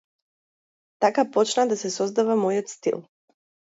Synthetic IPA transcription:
t̪akapot͡ʃnad̪asesozd̪aʋamojot̪st̪ḭl

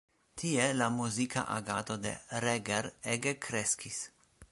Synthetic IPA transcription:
t̪ʰielamuzikʰa̰ʔa̰ɡat̪od̪ḛɾeɡeɾeɡekʰɾeskis

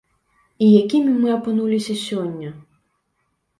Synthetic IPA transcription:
ijakʲimʲimɨɐpɨnulʲisʲɐsʲɔnʲːɐ

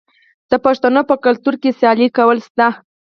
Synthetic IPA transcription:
d̪̥əpaʂt̪anopəkalt̪uɾkesjɑlikawəlst̪a

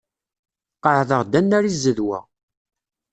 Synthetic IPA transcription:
qːəʕðəʁd̪ænːæɾizːəðwæ̰

